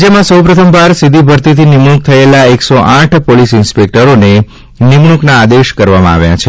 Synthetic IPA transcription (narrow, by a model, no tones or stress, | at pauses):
d͡ʒəmãsəwpɾət̪ʰəmbaɾsid̪ʱibʱəɾt̪it̪ʰinimɽ̃uk̚t̪ʰəelaeksoʔãʈʰpolisɪnspek̚ʈəɾone | nɪmɳ̃uknaːd̪eʃkəɾʋamãa̰ʋja̰t͡ʃʰe